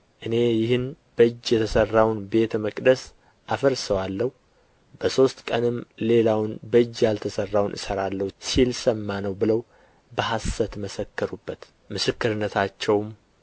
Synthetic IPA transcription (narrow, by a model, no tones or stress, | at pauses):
ʔɨne̞jɪhɨn | b̥əɨd͡ʒːjɛt̪ʰəsərːawnbe̞t̪ʰəməkʼd̪əs | ʔafəɾsəwalːəhu | b̥əso̞st̪kʼənɨmle̞lawnbəd͡ʒːjalt̪ʰəsərːawnʔɨ̰səɾalːəhsilsəmːanəwbɨləw | bəɦasːət̪məsəkːəɾubːət̪ | mɨsɨkːɨɾɨnːət̪ʰat͡ʃːɛwm